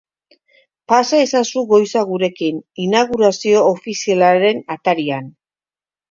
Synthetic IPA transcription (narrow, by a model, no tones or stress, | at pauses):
pasae̞sasuɣo̞jsaɣuɾe̞kininaɣ̞uɾasio̞ːfisialaɾe̞nat̪aɾian